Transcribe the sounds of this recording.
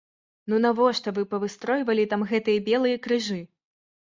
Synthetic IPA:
nunavɔʂt̪ɔvɨpɐvɨst̪ɾɔjvɐlʲit̪amɣɛt̪ɨjɐbʲɛlˠɨjɐkɾɨʐɨ

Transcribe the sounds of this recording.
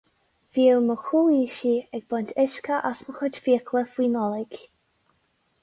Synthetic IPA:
v̥iːəlməxuːiːʃiɛɡ̚bɔntɪʃkʰəʔasməxʊd͡ʒfiəkʰləfwiːnɔlɪɡ̥

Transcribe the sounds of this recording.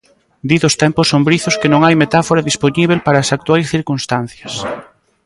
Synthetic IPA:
d̪iðʊst̪ɛmpʊsombɾiθʊskɪnõŋajmet̪afoɾaðisponiβ̞elpaɾaːsak̚t̪wajsθiɾkunst̪an̟θjɐs

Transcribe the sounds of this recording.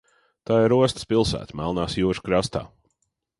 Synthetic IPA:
t̪aːɪɾuɔst̪ə̥spilˠsæ̰ːt̪mælˠnaːsjuːʃkɾast̪a̰ː

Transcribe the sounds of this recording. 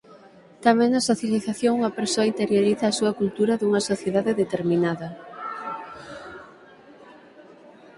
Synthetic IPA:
t̪amɛ̃ŋnɐsoθjaliθaθjoŋuŋɐpeɾsoɐint̪eɾjoɾiθɐːsuɐkult̪uɾɐðuŋɐsoθjeðaðeðet̪eɾminaðɐ

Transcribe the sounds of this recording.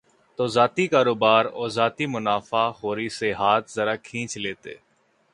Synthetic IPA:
t̪oːzaːt̪iːkaːɾoːbaːɾɔːzaːt̪iːmʊnaːfaːhoːɾiːseɦaːt̪ʰzəɾaːkʰĩːt͡ʃleːt̪ḛː

